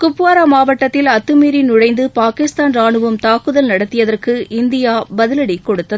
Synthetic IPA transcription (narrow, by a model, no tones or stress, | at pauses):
kʊpːaːɾamaːʋɐʈːɐt̪ːɪlɐt̪ːɯmiːɾɪnʊɻɐɪnd̪ɯpaːkɪst̪aːnɾaːɳɯʋɐmt̪aːkɯðɐlnɐɽɐt̪ːɪjɐðɐrkɯɪnd̪ɪjaːbɐðɪlɐɽikːɔɽɯt̪ːɐðɯ